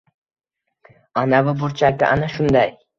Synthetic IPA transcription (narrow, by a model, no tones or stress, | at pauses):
anavʊbʊɾt͡ʃʰakʲɪ̰ʔanaʃʊnd̪aj